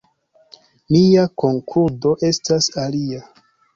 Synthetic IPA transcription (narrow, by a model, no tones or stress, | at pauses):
miako̞ŋkʰuɾdo̞ʔe̞stasalia